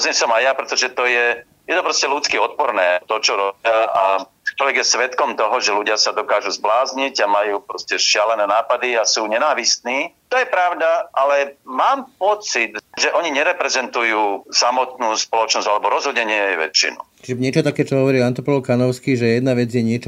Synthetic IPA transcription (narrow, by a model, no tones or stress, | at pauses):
zɛsɔmajapɾɛt̪ɔʒɛt̪ɔjɛ | jɛt̪ɔpɾɔscɛlut͡skiɔt̪̚pɔɾnɛːt̪ɔt͡ʃɔɾɔbɪaa | t͡ʃɔlʋɛɡjɛsʋɛt̪kɔmt̪ɔɦɔʒɛluɟɪasad̪ɔkaːʒuzblaːzɲiɟamajuːpɾɔscɛʃɪalɛnɛːnaːpad̪iasuːɲɛnaːʋist̪niːt̪ɔjɛpɾaʊd̪aʔalɛmaːmpɔt͡sit̪ʒɛʔɔɲiɲɛɾɛpɾɛzɛnt̪ujuːsamɔt̪nuːspɔlɔt͡ʃnɔzɟalɛbɔɾɔzɦɔd̪ɲɛɲɪɛɛjʋɛ̰t͡ʃːḭnṵt͡ʃiʒɛɲɪɛt͡ʃɔt̪akɛːt͡ʃɔɦɔʋɔɾiːlant̪ɔpɔlɔkanɔʊskiːʒɛjɛd̪naʋɛd͡zjɛɲɪɛt͡ʃɔ